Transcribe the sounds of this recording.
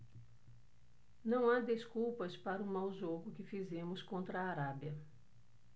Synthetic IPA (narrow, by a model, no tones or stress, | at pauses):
nɐ̃w̃ad̪eskuwpɐspaɾɐũmawʒoɡʊkɪfizẽmʊskõnt̪ɾɐaːɾabiɐ